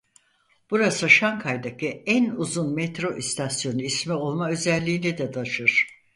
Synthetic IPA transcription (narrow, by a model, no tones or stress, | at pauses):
b̥uɾasɯʃaŋkʰajd̪acʰiænuzunmɛt̪ɾo̞ʔist̪ʰasjo̞nuismɛo̞lˠmaø̞zɛlʲːiːnɛd̪ɛd̪ʰaʃɯɾ̥